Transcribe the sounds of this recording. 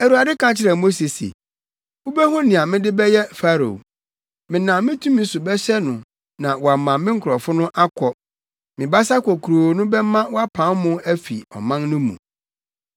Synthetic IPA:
æ˨ɾu˨a˨dɪ˦kʰã˦t͡ɕʰɪ˦ɾɛ˨mo˦se˨sḛ˨ | wʊ˦bɛ˦ɦɔ˦nɪ̃˨a˨mɪ̃˦dɪ˦bɛ˦jɛ˦fa˦ɾo̰˨ | mɪ̃˨nã˨mɪ̃˦tʰũ˦mĩ˦sʊ˨bɛ˦ɕɛ˦nʊ̃˨ | nã˨wɔ˨a˨mã˨mɪ̃˦ŋ̩˦kʰʊ˨ɾɔ˨fʊ˦nʊ̃˦ʔa˦kʰɔ˨ | mɪ̃˨ba˦sa˦kʰɔ˨kʰu˨ɾo˨nʊ̃˦bɛ˦mã˦wɔ˦a˦pʰã˨˦mmʊ̃˦æ˦fḭ˨ɔ̰˨mã˦nnʊ̃˦mṵ̃˨

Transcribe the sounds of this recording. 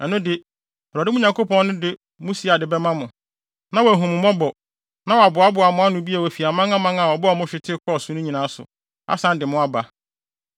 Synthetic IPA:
ɛ˨nʊ̃˦dɪ˦ | ɔ˨ɾɔ˨dɪ˦mʊ̃˦ɲã˨ŋkʰo˦pɔ̃˦nnʊ̃˦dɪ˦ | mũ˦si˦a˨dɪ˨bɛ˦mã˦mʊ̃˨ | nã˦wæ˨ɦũ˨m̃˨mɔ̃˦bɔ˨ | nã˦wɔ˨a˨bʊ˨a˦bʊ˨a˨mʊ̃˦a˦nʊ̃˨bi˦a˨æ˨fi˨a˨mã˦ŋã˦mã˦ŋa˨wɔ˨bɔ˦a˨mʊ̃˦ɕᶣɪ˦tʰɪ˦kʰɔ˦˨sʊ̃˦nʊ̃˦ɲĩ˨nã˨˦sʊ̰˨ | a̰˦sã˦n˦dɪ˨mʊ̃˦a˦ba˨

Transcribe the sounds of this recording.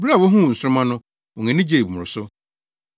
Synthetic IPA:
bɾa˦˨wɔ˦ɦũ˦˨n̩˨sʊ˦ʊ˦mã˦nʊ̃˦ | wɔ˨ŋɛ̃˨nɪ̃˦d͡ʑe˦˨i˨mʊ̃˨ɾʊ˨sʊ˦

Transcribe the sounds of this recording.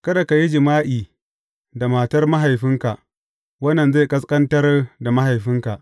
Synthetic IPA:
kɐ˦da˨ka˨ji˦d͡ʒɪ˨maː˦ʔiː˨ | da˨maː˨tɐ˦rma˦ɦa˨jɸɪ˦ŋka˨ʔ | wɐ˦nːɐ˨nza˦˨kʼɐ˦s̬kʼɐ˦ntɐ˦rda˨ma˦ha˨jɸɪ˦ŋka˨ʔ

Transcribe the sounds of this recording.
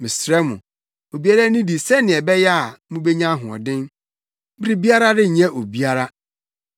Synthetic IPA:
mɪ̃˨sɾɛ˦mʊ̰̃˨ | o˨bi˦a˦ɾa˦nĩ˦di˨sɛ˦nɪ̃˨ɛ˨bɛ˦jɛ˦a˨mũ˦be˦ɲã˦ɦʊ̃˨ɔ̰˨dɪ̃˦n | bi˦ɾi˦˨bi˦a˦ɾa˦dɪ˦ɲɛ̃˦ʔo˨bi˦a˦ɾa˦

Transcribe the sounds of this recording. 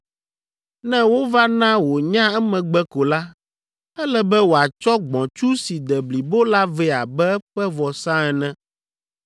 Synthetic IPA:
nɛ̃˦wo˦va˦nã˦wo˨ɲã˦ɛ˦mɛ̃˨ɡ͡bɛ˦ko˨la˦ | ɛ˦lɛ˨bɛ˦wo˨a˨t͡ʃɔ˦ɡ͡bɔ̃˨t͡ʃu˦si˨d̪ɛ˨bli˨bo˦la˦vɛ˦a˨bɛ˦ɸɛ˦vɔ˨sã˦ɛ˨nɛ̃˦

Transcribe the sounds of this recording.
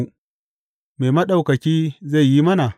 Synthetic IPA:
meː˨mɐ˦ɗa˦˨wkɐ˨kʲiː˦za˦˨ji˦mɐ˦na˨

